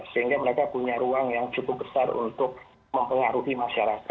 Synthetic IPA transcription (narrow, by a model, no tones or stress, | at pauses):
səɦiŋɡaməɾekapuɲaɾuaŋjaŋt͡ʃukʊp̚bəsarṵnt̪ʊk̚ | məmpəŋaɾuɦimaʃaɾaka